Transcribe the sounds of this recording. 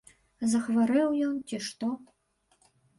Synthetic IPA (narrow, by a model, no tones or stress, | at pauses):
zɐxvɐɾɛwjɔnt̪ʲiʃt̪o